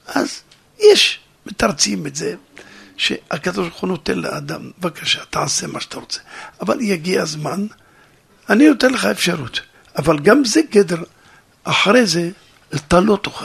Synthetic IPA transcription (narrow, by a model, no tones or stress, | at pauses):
ʔaz | jeʃ | met̪aʁt͡simetzeʃḛakad̪oʃbɾuχuno̞t̪enlḛʔad̪ambevakaʃḁt̪aʕasemaʃḁt̪aʁot͡se̥ava̰ljaɡiazman | anijot̪enleχaefʃaʁut̪ | avalɡamzeɡed̪eʁ | ʔaħaɾeze | lt̪alo̞t̪oχa